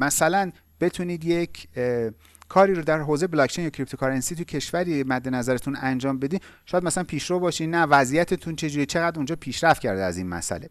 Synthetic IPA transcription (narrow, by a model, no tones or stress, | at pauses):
mæsælæn | b̥e̞t̪ʰuniːd̪je̞cʰ | kʰɒːɾiːɾod̪æɾɦoːzejeblɒkt͡ʃʰenjɒːkcʰɾipt̪ʰokʰɒɾensit̪ʰujecʰe̞ʃvæɾimæd̪ːe̞næzæɾet̪ʰunænd͡ʒɒːmbe̞d̪iːʃɔjæd̪mæsælænpʰiːʃɾoːvbɒːʃiːnævæzijæt̪ʰet̪ʰunt͡ʃʰe̞d͡ʒuːɾiːt͡ʃʰe̞ɣæd̪und͡ʒɒːpʰiːʃɾæft̪̚cʰæɾd̪eæzḭːnmæ̰sæ̰le̞̰